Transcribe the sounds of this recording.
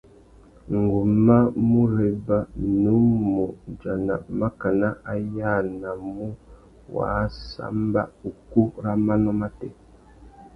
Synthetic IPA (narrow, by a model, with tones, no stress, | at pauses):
ŋ˨ɡu˨ma˦mu˦ɾe˨ba˦nu˨˦mu˨d͡ʒa˨na̰˨ma˦ka˨na˦a˦ja˦˨na˨mu˦ | wa̰˨˦sa̰˦mba̰˦u˨ku˦ɾa˦ma˦nɔ˦ma˦tɛ̰˨